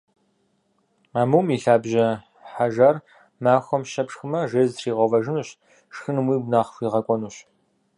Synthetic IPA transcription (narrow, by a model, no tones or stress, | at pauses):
aːmuːmiːɬaːbʑɐ | ħaʒaːr | maːxʷɔmʃɐpʂxɨmɐʒeːzriːʁʷɐvɐʒɪnuːɕ | ʂxɨnɨmwiːɡnaːχxʷiːʁɐkʷʼɔnuːɕ